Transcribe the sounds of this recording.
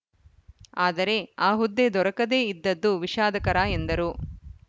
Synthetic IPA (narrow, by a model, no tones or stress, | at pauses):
aːd̪ɐɾe̞aːɦud̪ːe̞d̪ɔɾɐkɐd̪e̞ːid̪ːɐd̪ːuʋiʃaːd̪ɐkɐɾaːend̪ɐɾu